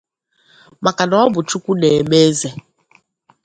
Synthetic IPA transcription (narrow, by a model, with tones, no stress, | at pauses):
ma˨ka˨nɔ˦bʊ˨t͡ʃu˦kʷu˦ne˨me˦ze˦